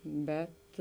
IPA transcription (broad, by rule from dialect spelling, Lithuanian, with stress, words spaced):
ˈbʲɛt